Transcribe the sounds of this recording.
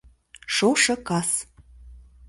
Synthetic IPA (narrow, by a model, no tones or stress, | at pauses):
ʃoʃɤ̆kɑs